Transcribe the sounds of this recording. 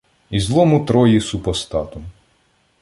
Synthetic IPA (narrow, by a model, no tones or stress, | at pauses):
izlˠɔmʊt̪ɾɔjisupɔst̪ɑt̪ʊ